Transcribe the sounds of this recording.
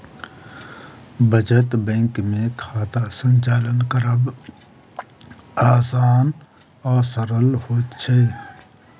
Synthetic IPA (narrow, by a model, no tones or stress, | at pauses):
bʱəd͡ʒət̪bɛ̃ːŋkmẽkʰaːt̪asə̃ɲʲt͡ʃaːlənkəɾəb | aːsaːn | ɔːsəɾəlhoːt̪t͡ʃʰei